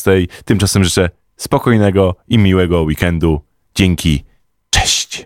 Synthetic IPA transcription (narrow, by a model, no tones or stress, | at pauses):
t̪ɛjt̪ɘmt͡ʂasɛmʐɘt͡ʂɛ | spɔkɔjnɛɡɔimʲiwɛɡɔwikɛnd̪u | d͡ʑɛŋʲkʲi | t͡ʂɛɕt͡ɕ